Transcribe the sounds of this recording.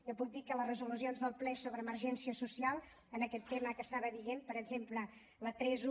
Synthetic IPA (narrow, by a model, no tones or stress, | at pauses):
kəpuk̚d̪ikələzrəzulus̬ionzðəlˠplɛsoβɾəːməɾʒɛnsiəsusialˠ | ənəkɛt̪ːeməkəst̪aβəðiɣempəɾəɡzemplə | lət̪ɾɛz